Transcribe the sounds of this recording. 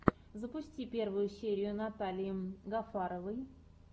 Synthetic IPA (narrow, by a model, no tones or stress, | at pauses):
zəpʊsʲtʲipʲe̞rvʊjʊsʲeɾʲɪjʊnat̪alʲɪjɪɡɐfaɾəvɨj